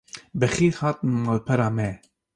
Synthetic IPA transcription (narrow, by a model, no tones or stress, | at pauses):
bɛxiːɾhɑːt̪nalpʰɛɾaːmɛ